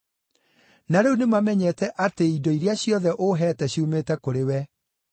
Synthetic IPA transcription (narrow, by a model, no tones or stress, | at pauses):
naɾeunemamɛɲɛtɛʔateidɔiɾeaɕjɔðɛʔoɦɛːtɛɕumeːtɛkoɾewɛ